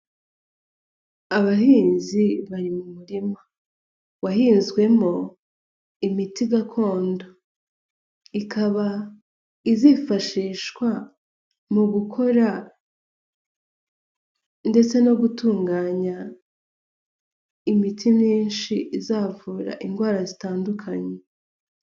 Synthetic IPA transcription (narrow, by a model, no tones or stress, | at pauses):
aβahiːnziβaɾimumuɾima | wahiːnzɡwe̞mo̞ | imitiɡakʰo̞ːndo | ikʰaβa | izifaʃiːʃkwa | muɡukʰo̞ɾa | nde̞t͡se̞noɡutuːŋɡaːɲa | imitʰimɲiːnʃiizaːvuːɾa̰ʔiŋɡwaːɾazitaːndukʰaɲe